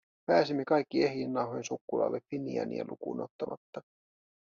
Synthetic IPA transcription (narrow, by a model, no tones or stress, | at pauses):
pæːsimːekɑjkːie̞hjinːɑwɦojnsukːulɑ̰ːlːeffiniæ̰nḭḛlʔukuːno̰t̪ːɑmɑt̪ːɑ